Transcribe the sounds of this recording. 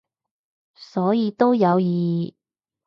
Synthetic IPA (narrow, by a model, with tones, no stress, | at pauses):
sɔː˨˥jiː˨˧t̪o˥wjɐ˨˧wjiː˨˧˨